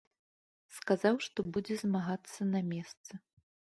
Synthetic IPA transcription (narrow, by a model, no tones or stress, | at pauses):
skazawʂt̪ɔbud͡zʲɛzmaɣat̪sːɐnɐmʲɛst̪sɨ